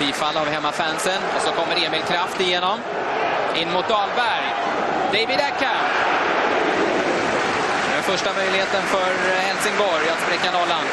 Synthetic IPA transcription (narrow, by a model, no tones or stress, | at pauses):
b̥iːfalːavɦɛmːafænsənɔsɔkʰɔmːəɾeːmɪlkʰɾaft̪ɪjeːnɔm | ɪnːmʊt̪̚d̪ɑːlbæɾj | d̪ɛjbɪd̪ɛkʰːa | d̪ɛnfœʂʈamœjlɪheːt̪ənfœɾ | hɛlsɪŋbɔɾjat̪spɾɛkːanɔlːan